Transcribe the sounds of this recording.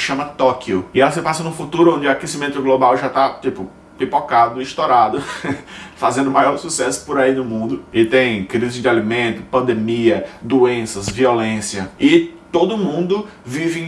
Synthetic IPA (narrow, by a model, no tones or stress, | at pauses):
ʃɐ̃mɐt̪ɔkʊɪɛlɐsɪpasɐnũfut̪uɾʊõd͡ʒɪakesimẽnt̪ʊɡlobawʒat̪at͡ʃ̪ipʊ | pipokad̪ʊiʃt̪ɔɾad̪ʊ | fazẽnd̪ʊmajɔɾsusɛsʊ̥poɾainʊmũnd̪ʊɪt̪ẽj̃kɾizɪzd͡ʒɪalimẽnt̪ʊpɐ̃d̪emiɐd̪uẽsɐzviɔlẽsiɐɪt̪od̪ʊmũd̪ʊvivɪẽ